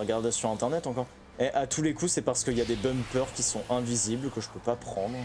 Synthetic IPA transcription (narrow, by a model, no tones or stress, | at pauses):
ʁəɡaʁd̪esyʁɛ̃t̪ɛʁnɛt̪ɑ̃kɔʁ | ɛʔat̪ulekusɛpaʁsə̥kəiljad̪ebœmpœʁkʲisɔ̃ʔɛ̃viziblkəʒəpøpapχɑ̃d̪ʁ